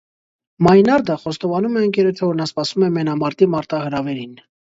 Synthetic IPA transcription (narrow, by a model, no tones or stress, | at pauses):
mɑjnɑɾd̪əχɔst̪ɔvɑnumɛəŋkɛɾət͡ʃʰəvɔɾnɑspɑsumɛmɛnɑmɑɾt̪imɑɾt̪ɑhəɾɑvɛɾin